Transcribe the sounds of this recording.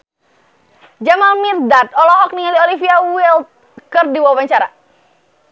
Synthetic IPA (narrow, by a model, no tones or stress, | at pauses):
d͡ʒamamirdat̪̚ɔlɔɦɔk̚niŋaliolifiawilt̪̚ | kərdiwawaɲt͡ʃaɾa̰